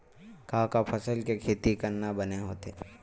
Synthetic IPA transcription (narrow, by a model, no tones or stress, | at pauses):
kaːkapʰəsəlkekʰeːt̪ikɐɾnabɐneɦoːt̪e